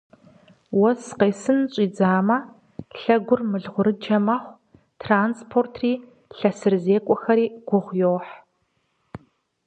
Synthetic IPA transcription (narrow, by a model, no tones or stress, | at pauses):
wɔsqeːsɨnɕʼiːd͡zaːmɐ | ɬɐɡʷʊrmɨɮʁʷʊɾɨd͡ʒɐmɐχʷ | tʰraːnspʰoːrtʰriː | ɬɐsɨrzeːkʷʼɔxɐɾiːɡ̥ʷʊʁʷjoːħ